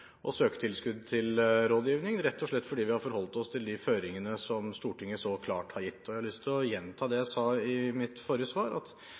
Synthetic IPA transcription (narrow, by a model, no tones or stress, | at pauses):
ʔɔsøːkə̥t̪ʰɪlskʉd̪t̪ʰɪlɾoːd̪jiːʋnɪŋɾɛt̪ːɔʂɭɛt̪ːfɔɖiːʋɪhɑɾfɔɾhɔlt̪ɔst̪ʰɪld̪ɪføːɾɪŋənəsɔmst̪uːʈɪŋːəsɔkʰlɑ̰ːʈhɑɾjɪt̪ʰːɔjæɪhɑlʏst̪ʰɪlɔjɛnt̪ʰɑːd̪ɛjæɪsɑːɪmɪt̪foːɾjəsʋɑːɾɑ̰t̪